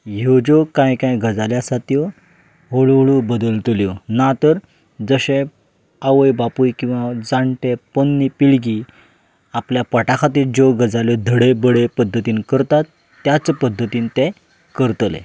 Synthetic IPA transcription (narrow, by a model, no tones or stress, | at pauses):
jed͡ʑɔkãjkãjɡəd͡zaljasat̪jɔ | ɦoɭɭubəd̪əlt̪ljɔnat̪əɾ | d͡zəɕẽ | aʋəjbapujkĩw̃ʋad͡zaɳʈepənːipiɭɡi | apljapəʈakʰat̪iːd͡ʑɔɡəd͡zaljɔd̪ʱəɽebəɽepəd̪ʱːət̪iːnkəɾt̪at̪ː | jat͡spəd̪ʱːət̪iːnt̪e | kəɾt̪lḛ